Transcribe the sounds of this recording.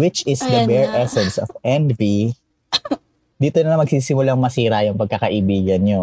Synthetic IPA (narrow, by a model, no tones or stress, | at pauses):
wɪt͡ʃɪsd̪ɐbɛɹʔɛsɛnsɔfʔɛnvi | d̪iːt̪onɐɐmɐɡ̚siːsɪmʊlaŋmɐsiːɾɐjʊŋpɐɡ̚kɐkɐʔɪbiːɡɐnɲo